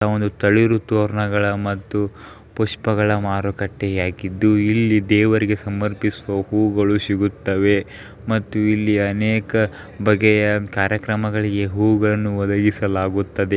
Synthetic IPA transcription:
ond̪ut̪ɐɭiɾut̪oːɾɳɐɡɐɭɐmɐt̪ːu | puʂpɐɡɐɭɐmaːɾukɐʈːejaːɡid̪ːuilːid̪ɛːʋɐɾiɡe̞sɐmɐɾpisuʋɐhuːɡɐɭusiɡut̪ːɐʋe̞ | mɐt̪ːuilːiɐneːkɐ | bɐɡɛjɐkaːɾjɐkɾɐmɐɡɐɭiɡeɦuːɡɐɭɐnːuʋɐd̪ɐɡisɐlaːɡut̪ːɐd̪e

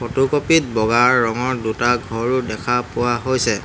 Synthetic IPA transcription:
potukopit̚bɔɡaɹːɔŋɔɹdutaɡʱɔɹʊdɛkʰapʊwaɦojsɛ

